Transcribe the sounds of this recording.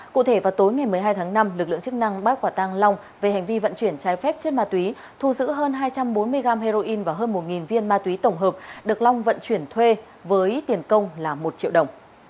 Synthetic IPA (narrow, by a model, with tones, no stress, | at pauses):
kṵ˧˨t̪ʰe˧˩vaː˨˩wt̪o˨˦jŋa˨˩jmɨ˨˩əjɦaː˧jt̪ʰaː˨˦ŋna˧mlɨ˨˩k̚lɨ̰˧˨ə˨ŋt͡ɕɨ˦˥k̚na˧ŋɓaː˦˥t̚kwaː˧˩t̪a˧ŋla˧wŋ͡m | ve˨˩ha˨˩jŋ̟vi˧və̰˧˨nt͡ɕwi˧˩ənt͡ɕaː˨˦jfɛ˦˥p̚t͡ɕe˧˥nmaː˧t̪wi˨˦ | t̪ʰu˧˩zɨ̰˧˥ɦəː˧nɦaː˧jt͡ɕa˧mɓo˨˦nmɨ˧əjɣaː˧mɦe˧zo˧ʔi˧nvaː˨˩ɦəː˧nmo˨˩t̚ŋi˨˩nvi˧ənmaː˧t̪wi˨˦t̪ə˧˩wŋ͡mɦəː˨˩p̚ɗɨ˨˩ək̚la˧wŋ͡mvə̰˧˨nt͡ɕwi˧˩ənt̪ʰwe˧ | vəː˨˦jt̪i˨˩ənkə˧wŋ͡mlaː˨˩mo˨˩t̚t͡ɕḭ˧˨əwɗə˨˩wŋ͡m